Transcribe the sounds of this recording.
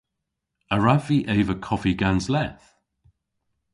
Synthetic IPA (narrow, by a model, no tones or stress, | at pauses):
əɹaviʔeɪvəkʰɔfiɡanzlɛθ